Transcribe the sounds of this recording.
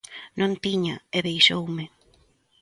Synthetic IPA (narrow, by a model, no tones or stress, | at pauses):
nʔõnt̪iɲaeβejʃowmɪ